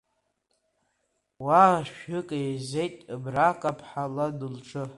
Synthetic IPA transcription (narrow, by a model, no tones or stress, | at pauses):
waʃᶣʏkʼejzejtʼbrakʼapʰħaladɨlʈ͡ʂʰʼɨ